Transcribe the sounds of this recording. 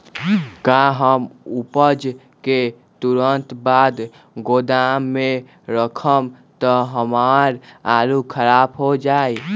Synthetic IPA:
kaɦəmʊpəd͡ʒ | ke | t̪uɾənt̪baːd̪ | ɡoːd̪amːẽ | ɾəkʰəm | t̪əɦəmaːɾaːlukʰəɾaːbɦod͡ʒaːi

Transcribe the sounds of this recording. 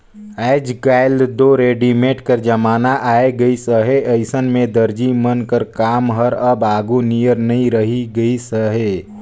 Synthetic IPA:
ɛɪd͡ʒɡaːɪlɖd̪oːɾeːɖimeːʈkəɾd͡ʒɐmaːnaʔaːeɡəisəɦeʔɐɪsənmẽd̪əɾd͡ʒimənkəɾkaːmɦəɾɐbaːɡunijəɾnɐɦĩɾəɦiɡəisəɦeː

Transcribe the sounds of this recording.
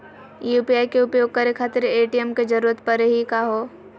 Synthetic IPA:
jupiaːjkeʊpjoːɡ̚kɐɾekʰaːt̪ɪɾeːʈijemked͡ʒɐɾuːɾət̪pɐɾɦikaɦoː

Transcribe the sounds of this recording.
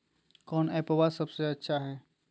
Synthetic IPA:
kɔːnɛpɐwasɐbseɐtːʃʰaɦɛː

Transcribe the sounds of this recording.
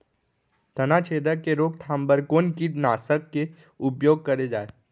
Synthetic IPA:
t̪ɐnat͡ʃʰeːd̪əɾkeɾoːkt̪ʰãːmbəɾkoːnkinaːsəkːe | ʊpjoːɡ̚kɐɾed͡ʒaːeː

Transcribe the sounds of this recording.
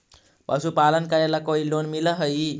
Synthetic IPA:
pəsupalənkəɾelakoilonmiləɦəji

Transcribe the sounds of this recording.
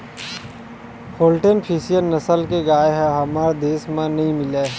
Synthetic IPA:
hoːlʈenpʰiːsijənnəsəlkeɡaːeɦɛɦɐmaːɾd̪eːsmãnɐɦĩmɪleː

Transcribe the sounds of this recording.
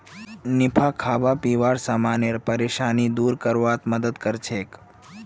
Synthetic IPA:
nɪpʰakʰaːbapiːʋaːɾsaːmaːneɾpəɾeːʃaːnid̪uːɾkəɾʋat̪məd̪əd̪kəɾt͡ʃʰeːk

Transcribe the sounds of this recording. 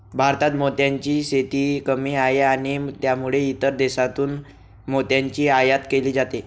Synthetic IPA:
bʱaɾt̪at̪mot̪jãɲt͡ɕiːset̪iːkəmiːaeaɽ̃it̪jamuɭeit̪əɾd̪esat̪uːn | mot̪jaɲt͡ɕiːajat̪keliːd͡zat̪e

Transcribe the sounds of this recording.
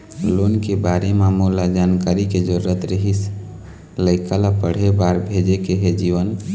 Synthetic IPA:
lonkebaɾemamulad͡ʒankaɾiked͡ʒəɾuɾət̪ɾəɦis | ləɪkalapəɽ̤ebaɾbʱed͡ʒekeɦed͡ʒiʋən

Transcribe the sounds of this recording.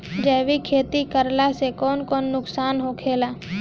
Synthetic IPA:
d͡ʒɛːʋikʰeːt̪ikəɾlasekɔːnkɔːnːʊksaːnɦokʰeːlaː

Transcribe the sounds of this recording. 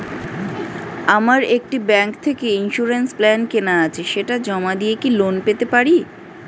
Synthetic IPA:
amaɾek̚ʈibɛŋkt̪ʰekeinʃuɾensplɛnkenaat͡ɕʰeʃeʈad͡ʑɔmad̪iekilonpet̪epaɾi

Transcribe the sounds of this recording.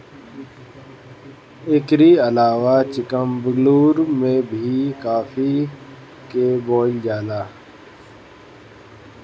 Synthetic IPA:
ɪkɾiːəlaːʋat͡ʃɪkəmbəɡluːɾmẽbʱikaːfʰi | keboːld͡ʒaːlaː

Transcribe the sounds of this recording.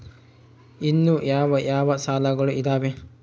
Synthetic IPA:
inːujaːʋɐjaːʋɐsaːlɐɡɐɭuʔid̪aːʋe

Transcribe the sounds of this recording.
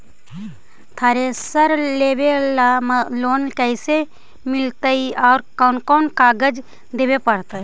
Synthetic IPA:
t̪ʰaɾesəɾleːbelamloːnkəɪse | mɪlt̪əiɔːɾkɔːnkɔːnkaːɡəd͡ʒ | d̪eːbepəɽt̪a

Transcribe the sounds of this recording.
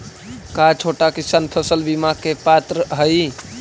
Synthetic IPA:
kat͡ʃʰoʈakisanpʰəsəlbimakepat̪ɾəɦəj

